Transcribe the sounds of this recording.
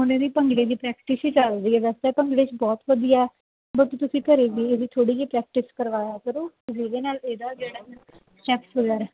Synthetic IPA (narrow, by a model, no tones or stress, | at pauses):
ʊnẽːd̪iːpə̃ŋɡleːd̪iːpɾɛːk̚ʈɪsiːt͡ʃald̪iːɛːʋɛːst̪apəŋɡleːt͡ʃbɔːt̪ʋəd̪ijaɛ | bət̪ːuːt̪ʊsĩːkəɾeːɡiːəd̪iːt̪ʰoːɽiːɦiːpɾɛːk̚ʈɪskəɾʋaːjaːkəɾoː | ʊɦiːd̪eːnaːleːd̪aːd͡ʒeːɽaːmẽ | sʈɛːpsʋəɡɛːɾɛː